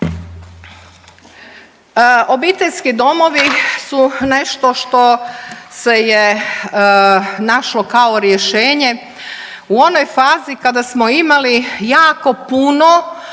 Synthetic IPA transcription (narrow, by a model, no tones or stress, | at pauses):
obit̪e̞ʎʲskid̪o̞mo̞ʋisuneʃt̪o̞ʃt̪o̞seje | naʃlokaoɾjeʃeːɲe̞ | uo̞nojfaːzikad̪asmo̞imalijaːko̞puno